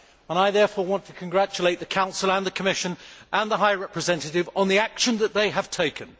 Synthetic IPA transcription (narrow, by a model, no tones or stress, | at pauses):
ə̃ñaɪðɛfɔːɹwɑ̃ntʰəkʰə̃nɡɹæt͡ʃəleɪt̪̚ðɨkʰãʊ̃nsəl̩ˠə̃nðəkʰəmɪʃə̃nʔə̃nðəɦaɪɹɛpɹɨzɛ̃ntɨɾɪvə̃nðiækʃə̃nðət̪̚ðeɪəv̥tʰeɪkʰɨ̃n